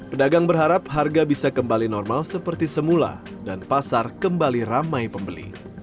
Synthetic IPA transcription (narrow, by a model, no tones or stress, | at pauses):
pədaɡaŋbərɦaɾap̚ɦarɡabisakəmbalinɔrmalsəpərt̪isəmula̰ | danpasarkəmbaliramajpəmbəlḭ